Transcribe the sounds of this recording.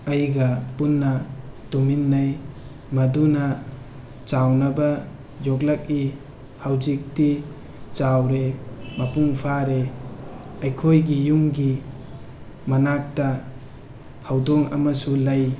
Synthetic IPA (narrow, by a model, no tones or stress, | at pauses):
ɐjɡɐpunːɐ | tominːaj | mɐdunɐ | t͡ʃawnɐbɐ | jɔk̬̚lɐk̚i | hawzik̚ti | t͡ʃawɾemɐpuŋpʰaɾe | ɐjkʰojɡijuŋɡi | mɐnak̚tɐ | hawdɔŋɐ̰mɐsulɐj